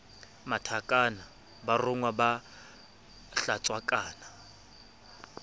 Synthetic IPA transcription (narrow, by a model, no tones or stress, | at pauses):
matʰakʼana | barʊŋwaba | ɬat͡sʼwakʼaːna